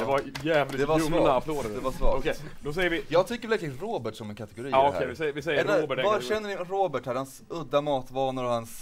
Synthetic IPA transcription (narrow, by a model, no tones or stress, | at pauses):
d̪ɛvaɾjæːvld̪ɛɛvanafloːɾad̪ɛvasvɑ̰ːɔkɛd̪ɔsɛjəɾvɪjɑːɡt̪ʰʏkːəɾvɛlɛk̪lɾoːbəʈsɔmɛnkʰat̪ɛɡʊɾiːɔkʰɛɪsɛjəvɪsɛjɛɾabvɑɾʃɛnːənɪɾoːbəʈhæɾhans | ɵd̪ːamɑːt̪vɑːnʊɾɔhans